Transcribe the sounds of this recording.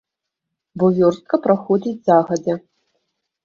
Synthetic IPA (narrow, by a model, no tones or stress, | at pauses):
bɔvʲɔrst̪̚kɐpɾaxɔd͡zʲid͡zʲzaɣɐd͡zʲɛ